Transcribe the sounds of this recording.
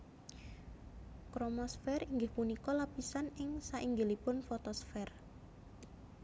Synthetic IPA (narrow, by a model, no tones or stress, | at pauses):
kɾomɔsfɛriŋɡɪhpunikɔlapisanɪŋsaʔiŋɡɪlipʊnfɔt̪ɔsfɛr